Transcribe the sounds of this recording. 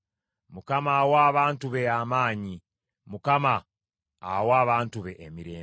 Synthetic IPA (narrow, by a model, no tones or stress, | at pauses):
mukamawaːβaːntuβeamaːɲi | mukamaː | waːβaːntuβeʔːmiɾeː